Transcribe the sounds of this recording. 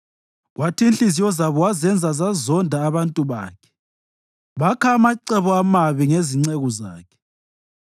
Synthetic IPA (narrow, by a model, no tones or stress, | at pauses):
ɣwatʰinɬʼizijɔzaβɔwazɛnd͡zʱazazɔndʱaːβantʼuβa̰ːkʰɛ̥ | βakʰaːmaǀɛβɔamaβiŋeziŋ͡ǀeɣɔza̰ːkʰɛ̥